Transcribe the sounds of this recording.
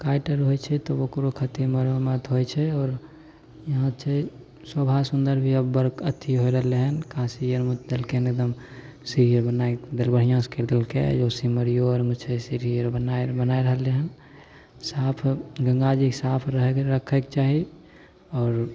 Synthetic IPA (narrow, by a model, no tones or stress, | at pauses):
kajʈəɾɦojt͡ʃʰɛt̪ɔokɾokʰət̪iɾməɾəmət̪ɦojt͡ʃʰɛɔːɾ | jəɦãt͡ʃʰɛ | sobʱasund̪əɾbʱiəbːəɾkət̪ʰːiɦojɾəɦəleɦənkãsijəɾmut͡ʃ̪d̪elkenekd̪əm | siɾijəɾbənaed̪elbəɽ̤ijãskeɾd̪elkḛd͡ʒosiməɾijoɾmut͡ʃʰesiɾijəɾbənabənajɾəɦəleɦən | sapʰɡə̃ŋɡad͡ʒiksapʰɾəɦɾəkʰɛkt͡ʃaɦi | ɔːɾ